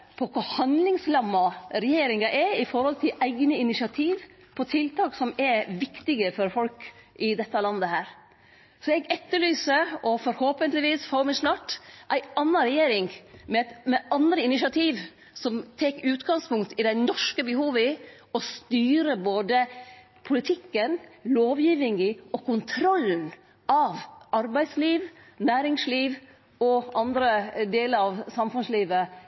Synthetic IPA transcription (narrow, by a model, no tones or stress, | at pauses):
pʰɔkʰʊhɑnd̪lɪŋslɑmːɑɾɛjeːɾɪŋɑʔɛɪfɔɾhɔlt̪ʰɪlʔæɪɡnəɪnɪʃɪɑt̪ʰiːʋ | pʰɔt̪ʰɪlt̪ʰɑːksɔmɛʋɪkt̪ɪɡəfɔɾfɔlkʔɪd̪ɛt̪ːɑlɑnd̪əhæːɾ | sɔɛɡɛt̪ːəɭyːsəɔfɔɾhoːpənt̪lɪʋiːsfoːmɛsnɑːʈʔæɪʔɑnːɑɾɛjeːɾɪŋmɛt̪mɛʔɑnd̪ɾəɪnɪʃɪɑt̪ʰiːʋ | sɔmt̪ʰɛkʉːt̪ɡɑŋspʊŋkt̪ɪd̪æɪnɔʂkəbəhuːʋɪ | ɔst̪yːɾəboːd̪ə | pʰʊlɪt̪ʰɪkːənloːʋjiːʋɪŋɪɔkʊnt̪ʰɾɔln̩ | ɑʋɑɾbæɪsliːʋ | næːɾɪŋsliːʋ | ɔʔɑnd̪ɾəd̪eːləɾɑʋsɑmfʉnsliːʋə